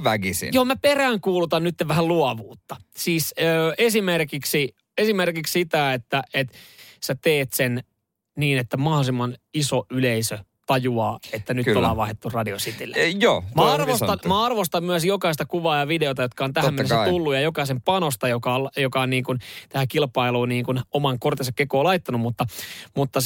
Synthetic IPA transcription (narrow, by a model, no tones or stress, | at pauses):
ʋækisḭnjoːmæperæːŋkuːlut̪ɑnnyt̪ːeʋʋæhæluɑʋuːt̪ːɑsiːsøːesimerkiksi | esimerkikssit̪æet̪ːæet̪sæt̪eːt̪sen | niːnet̪ːæmɑhosimɑnisoyleisø | t̪ɑjuɑːet̪ːænyt̪ːolːɑ̰ʋʋɑihet̪ːurrɑdiosit̪ilːejoːmæɑrʋost̪ɑmæɑrʋost̪ɑmmyæsjokɑist̪ɑkuʋɑːjɑʋideot̪ɑjot̪̚kɑont̪æhæmːenːessːt̪ulːujɑjokɑisempɑnost̪ɑjokɑoljokɑonniːŋkunt̪æhækilpɑiluːniːŋkunomɑŋkort̪ensɑkːekoːlɑit̪ːɑnumut̪ːɑmut̪ːɑ